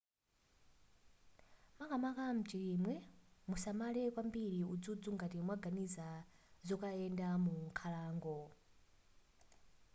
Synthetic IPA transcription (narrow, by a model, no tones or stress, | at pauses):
makamakam̩t͡ʃiɾimwɛmusamalɛkwambiɾiud͡zud͡zuŋɡatimwaɡaniza | zɔkaɛndamukʰalaːŋɡɔ